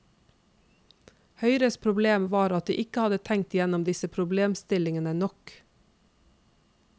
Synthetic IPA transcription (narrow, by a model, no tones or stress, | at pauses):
hœʏɾəspʰɾʊbleːmʋɑːɾɑt̪̚d̪ḭːʔɪkəhɑd̪ət̪ʰɛŋ̚t̪ɪjɛnɔmd̪ɪsəpʰɾʊbleːmst̪ɪlɪŋənənɔk